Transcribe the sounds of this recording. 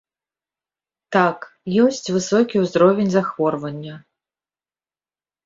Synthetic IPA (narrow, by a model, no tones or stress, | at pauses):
t̪ak | jɔsʲt͡sʲvɨsɔkʲiwzɾɔvʲenʲzaxvɔrvɐnʲːɐ